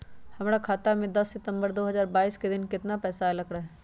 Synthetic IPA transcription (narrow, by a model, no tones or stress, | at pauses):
hɐmɾakʰaːt̪amẽd̪ɐsːɪt̪ə̃mbəɾd̪oːɦɐzaːɾbaːiːsked̪ɪnkɪt̪napɛːsalɐkɽaɦɛ